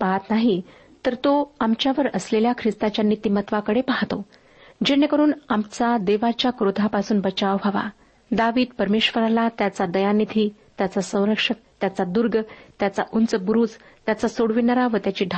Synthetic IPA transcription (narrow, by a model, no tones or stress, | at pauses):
paɦat̪naɦi | t̪əɾt̪oamt͡ɕjaʋəɾəsleljakʰɾist̪at͡ɕjanit̪iːmət̪ʋakəɽepaɦt̪o | d͡ʑenːekəɾuːnamt͡sad̪eʋat͡ɕjakɾod̪ʱapasuːnbət͡ɕaʋbʱaʋa̰ | d̪aʋiːd̪̚pəɾmeɕʋəɾalat̪jat͡sad̪əjanit̪ʰiː | t̪jat͡sasə̃w̃ɾəkʂət̪jat͡sad̪uɾɡʱət̪jat͡sa̰ʔunt͡səbuɾuːd͡z | t̪jat͡sasoɽʋinəɾaʋət̪jat͡ɕiːɖʱ